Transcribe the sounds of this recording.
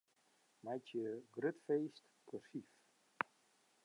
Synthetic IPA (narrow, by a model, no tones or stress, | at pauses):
majtjəɡrøtfeːst | kʰosif